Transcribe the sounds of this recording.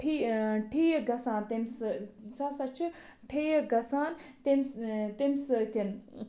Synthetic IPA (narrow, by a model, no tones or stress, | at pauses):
ʈʰiʈʰijɡɐsaːnt̪emssasat͡ʃʰi | ʈʰejɡɐsaːnt̪emt̪emsɨtʲɐn